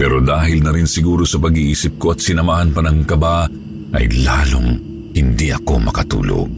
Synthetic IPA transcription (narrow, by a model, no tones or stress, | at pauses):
pɛːɾod̪aːɦɪlnɐɾɪnsɪɡuːɾo̞sɐpɐɡiːʔiːsɪp̚ko̞ɐt̪̚sɪnɐmaːhɐnpɐnɐŋkɐba | ʔɐ̰jlaːlo̰ŋ | hɪnd̪iʔɐko̞̰mɐ̰kɐt̪ṵːlo̰